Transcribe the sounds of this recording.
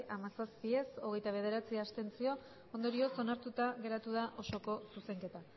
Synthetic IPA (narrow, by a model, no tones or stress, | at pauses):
ʔamasaspie̞so̞ɣe̞jt̪aβ̞e̞ð̞e̞ɾat͡siast̪e̞nt͡sio̞ | ond̪o̞ɾio̞so̞naɾt̪ut̪aɣe̞ɾat̪uð̞aʔo̞ʃo̞ko̞suse̞ŋke̞t̪a